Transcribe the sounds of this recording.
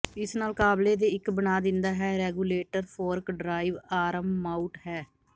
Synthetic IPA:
ɪsnaːlkaːbleːd̪eːɪkbənaːd̪ɪnd̪aːɦɛːɾɛːɡuːleːʈəɾpʰoːɾkɖɾaːiʋaːɾəmːaːuʈɦɛː

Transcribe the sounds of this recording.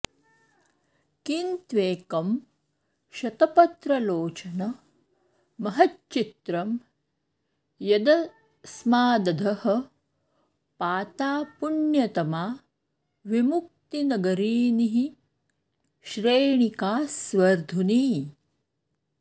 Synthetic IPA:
kint̪ʋeːkɐm | ʃɐt̪ɐpɐt̪ɾɐloːt͡ʃɐnɐ | mɐɦɐtt͡ʃit̪ɾɐm | jɐd̪ɐ | smaːd̪ɐd̪ʱɐhɐ̆ | paːt̪aːpuɳjɐt̪ɐmaː | ʋimuk̚t̪inɐɡɐɾiːniɦi | ʃɾeːɳikaːsʋɐɾd̪ʱuniː

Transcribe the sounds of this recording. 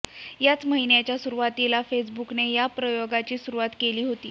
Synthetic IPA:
jat͡sməɦinjat͡ɕjasuɾuʋat̪ilafes̬buknejapɾəjoɡat͡ɕiːsuɾuʋat̪keliːɦot̪iː

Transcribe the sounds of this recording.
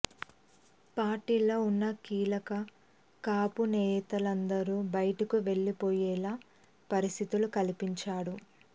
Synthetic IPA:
paːɾʈiːloːunːɐkiːlɐkɐ | kaːpuneːjɐt̪ɐlɐnd̪ɐɾuːbɐjɐʈɐkuʋe̞ɭːipoːjɛːlaː | pɐɾist̪ʰit̪ulukɐlipiɲt͡ʃaːɽu

